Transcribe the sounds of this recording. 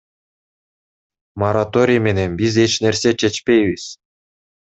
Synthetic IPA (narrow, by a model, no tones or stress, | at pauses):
moɾat̪oɾʲijmʲenenbʲizet͡ɕnerʲset͡ɕet͡ɕpʲeiβʲisʲ